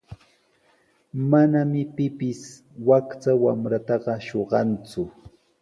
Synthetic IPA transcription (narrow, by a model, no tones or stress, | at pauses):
manamɪpɪpɪs | wakt͡sawamɾat̪ɑɢɑʃoɢɑnt͡sʊ